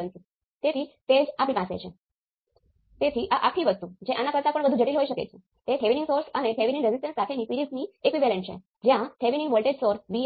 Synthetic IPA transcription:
ənt̪u | t̪et̪ʰiːt̪ed͡zaplimãsḛt͡ɕʰẽ | t̪et̪ʰiːʔaʔa̰kʰiːʋəst̪ud͡ʑẽʔanːakəɾt̪apəɳbəd̪ʱũːd͡ʑʱəʈiːlɦoiɕəkḛt͡ɕʰe | t̪eʈʰeʋiniŋɡsoɾsaneʈʰeʋiniŋɾed͡zisʈənsakʰeniːpiɾid͡zniekʋiʋɛlẽɳʈɕḛ̃ | d͡ʑjãʈ̪ʰeʋiniŋʋolʈeɖsoɾʋi

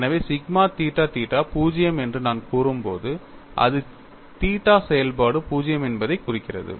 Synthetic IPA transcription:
ɛnɐʋeːsɪɡmaːt̪iːʈːaːt̪iːʈːaːpuːd͡ʒɪjɐmɛndrɯnaːnkuːɾɯmpo̰ːðɯ | ʔɐ̰ðɯ | t̪iːʈːaːsɛjɐlpaːɽɯpuːd͡ʒɪjɐmɛnbɐðɐɪkːʊrɪkːɪrɐ̰ðɯ̰

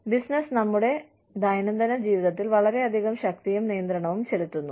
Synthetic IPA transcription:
bisnɐsnɐmːuɽe̞ | d̪ɐjnɐnd̪ɐnɐd͡ʑiːʋiðɐt̪ːilʋɐɭɐɾe̞ɐd̪ʱiɣɐmɕɐk̚t̪ijɐumnijɐnd̪ɾɐɳɐʋumt͡ɕelut̪ːunːu

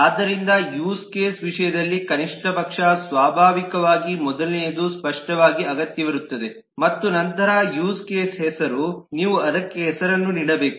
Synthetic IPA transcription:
aːd̪ːɐɾind̪ɐjuːskeːsʋiʂɐjɐd̪ɐlːikɐniʂʈʰɐpɐkʂɐsʋaːbʱaːʋikɐʋaːɡimɔd̪ɐlnejd̪uspɐʂʈɐʋaːɡiɐɡɐt̪jɐʋɐɾut̪ːɐd̪e | mɐt̪ːunɐnt̪ɐɾajuːskeːsɦɛsɐɾuniːʋuɐd̪ɐkːeɦɛsɐɾɐnːuniːɽɐbe̞ːku̥

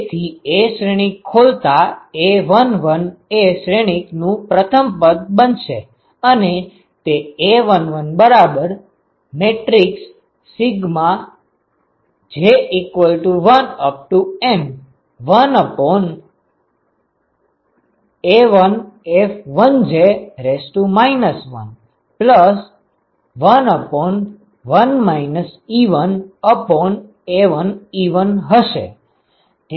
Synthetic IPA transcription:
t̪ʰieʃɾeɽ̃ikʰːolt̪aeʋənʋəneʃɾeɽ̃iknũpɾət̪ʰəmpəd̪̚bənʃḛ | əne | t̪eeʋənʋənbəɾabəɾ | meʈɾiksː | iɡmã | d͡ʒeikʋəlʈuʋənəp̚ʈuem | ʋənəpɔn | eʋənefʋənd͡ʒeɾesʈumajnəsʋə̰n | pləs | ʋənəpɔn | ʋənmainəsiʋənəpɔn | eʋəniʋənɦəʃḛ | t̪

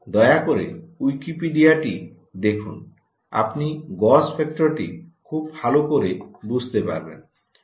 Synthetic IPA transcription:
d̪ɔeakoɾḛujkipiɖiaʈi | d̪ekʰun | a̰pniɡɔspʰek̚ʈɔɾʈḭkʰubbʱalokoɾebud͡ʑʱt̪epa̰ɾbḛn

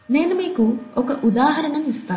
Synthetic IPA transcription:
neːnumiːkuɔkɐʔud̪aːɦɐɾɐnɐnist̪aː

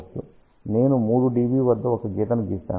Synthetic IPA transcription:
t͡ʃːṵ | ne̞ːnumuːɽuɖiːʋiːʋɐd̪ːɐɔkɐɡiːt̪ɐnuɡiːst̪a̰ː

